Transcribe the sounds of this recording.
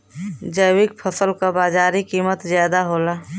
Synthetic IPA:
d͡ʒəjwɪk̚pʰəsəlkabaːd͡ʒaːɾikiːmət̪zjaːd̪aɦoːlaː

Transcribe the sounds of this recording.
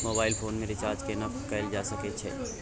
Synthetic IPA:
moːbaːɪlpʰoːnmẽɾɪt͡ʃaːɾd͡ʒkenɐkt̪kɐɪld͡ʒaːsɐket͡ʃʰɛ̰ː

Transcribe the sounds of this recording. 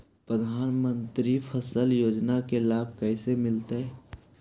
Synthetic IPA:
pɾəd̪ʱaːnmə̃nt̪ɾipʰəsəljoːd͡ʒnakelaːb̚kɛːsemɪlt̪eɦɛ

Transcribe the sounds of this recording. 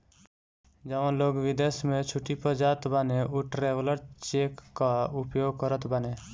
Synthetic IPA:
d͡ʒəʋə̃loːɡʋɪd̪esmẽt͡ʃʰuʈipəd͡ʒaːt̪baneʔuʈɾeʋləɾt͡ʃekːaupjoːɡkəɾət̪bane

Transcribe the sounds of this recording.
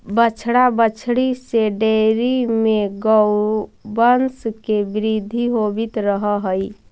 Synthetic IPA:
bət͡ʃʰɽabət͡ʃʰɽiseɖeɾimeɡəʊbənskebɪɾid̪ʱiɦobit̪ɾəɦəɦəi

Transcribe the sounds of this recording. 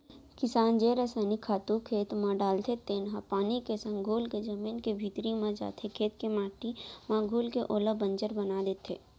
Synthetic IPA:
kɪsaːnd͡ʒeːɾəsaːnikʰaːt̪ukʰeːt̪mãɖaːlt̪ʰet̪eːnɦapaːnikesɐ̃ŋɡɡʱuːlked͡ʒɐmiːnkebʱiːt̪ɾimãd͡ʒa̰ːt̪ʰekʰeːt̪kemaːʈimãɡʱuːlkeʔoːləbə̃nd͡ʒəɾbɐnaːd̪eːt̪ʰeː

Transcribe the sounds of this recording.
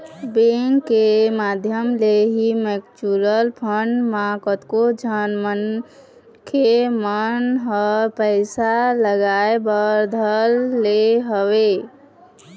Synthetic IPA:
beŋkːemad̪ʱjəmleɦimekt͡ʃuɾəlpʰəɳmakət̪kod͡ʒʱənmən | kʰemənɦɔɾpəɪsaləɡaebəɾd̪ʱəlːeɦəwe

